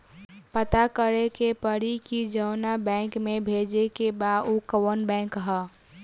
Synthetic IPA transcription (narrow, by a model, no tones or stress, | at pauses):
pət̪akəɾekepəɾikid͡ʒəʊnabɛ̃ːŋkmẽbʱeːd͡ʒekebad̪ukəwənbɛ̃ːŋkɦə